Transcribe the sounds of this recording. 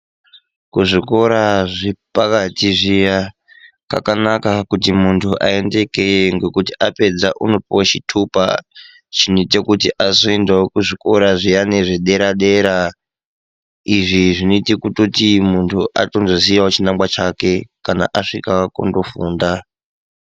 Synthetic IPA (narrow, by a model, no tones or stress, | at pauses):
kuʐiko̞ɾaʐipakatiʐija | kakanakakutimuntʰuʔae̞nde̞keŋɡe̞kutiʔape̞d͡zaʔuno̞piwaʃitʰupa̰ | t͡ʃiniitekutiʔazoendaokuʐiko̞ɾaʐijane̞ʐeɗe̞ɾaɗe̞ɾa | iʐiʐinoitikutotimuntʰuʔatonzosijaot͡ʃinambwat͡ʃake̞kana̰ʔaʂikakundo̞fuːnda